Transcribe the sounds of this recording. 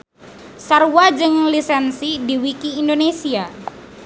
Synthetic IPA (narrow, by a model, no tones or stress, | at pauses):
sarwad͡ʒɨŋlisɛnsidiwikiːndonesia